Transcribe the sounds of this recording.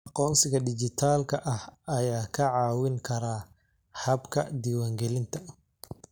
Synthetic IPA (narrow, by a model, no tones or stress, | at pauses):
ʔɑqɔːnsɪɣɐɖɪt͡ʃɪt̪ʰaːlkʰɐʔɐhɐjaːkʰɐʕɑːwɪŋkʰɐɾaː | hɐbkʰɐ̰d̪iːwaːŋɡɛlɪnt̪ʰɐ